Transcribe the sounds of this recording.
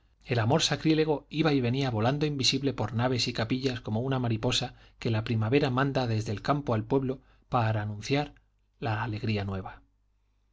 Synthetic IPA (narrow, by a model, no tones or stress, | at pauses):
e̞lamo̞ɾsakɾile̞ɣ̞o̞iβaiβ̞e̞niaβo̞land̪oimbisiβle̞po̞ɾnaβ̞e̞sikapiʎasko̞mo̞unamaɾipo̞sa | ke̞lapɾimaβe̞ɾamãnd̪aðe̞zðe̞lkampo̞alpwe̞βlo̞ | paɾaːnũn̟θjaɾ | laːle̞ɣ̞ɾianwe̞β̞a